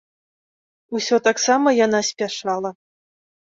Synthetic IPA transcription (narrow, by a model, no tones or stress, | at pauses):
usʲɔt̪aksɑməjan̪ɑsʲpʲaʂɑlˠɐ